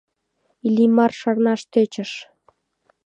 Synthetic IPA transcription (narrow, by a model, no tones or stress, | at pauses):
ilʲimɑrʃɑrnɑʃt̪øt͡ɕə̆ʃ